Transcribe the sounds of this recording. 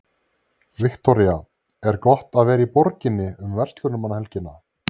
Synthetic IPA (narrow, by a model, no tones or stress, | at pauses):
vɪkt̪ɔɾija | ɛɾkɔht̪aðvɛːɾaipɔɾcɪnːɪʏmvɛr̥t̪lʏɾnʏmanːahɛlcɪnːa